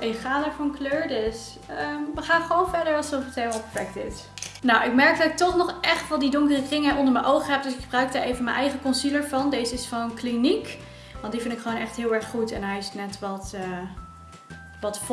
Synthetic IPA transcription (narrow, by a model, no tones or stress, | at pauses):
ʔɪkχaːdəːɹfɑnkløːɹdɪs | əmʋəχaːnχəʋownvɛɹdəɹɑlˠzɔfətejlmɑlˠpəfɛk̚tɪs | nawʔɪkmɛɹk̚dɑtɪk̚tɔχnɔχʔɛχtʋɛlˠdidɔŋkərəkrɪŋəʔɔ̃ndəɹməʔowχəɦɛp̚dɵsɪkχəbrœɥk̚daːɹʔejvənmə̰nʔɛjχəkɔnsiləɹvɑndejzəɪsχonklinik | ʋɑntdifɪndɪkχəʋonɛχtɦɪːlˠɛɹχːutɛnɦɛjɪsnɛtʋɑtə | ʋɑtf